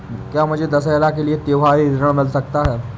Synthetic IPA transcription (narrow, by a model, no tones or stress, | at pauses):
kjaːmʊd͡ʒʱed̪ɐsɛːlakeliet̪eːʋaːɦiɪɾəɽ̃mɪlsɐkt̪aɦɛː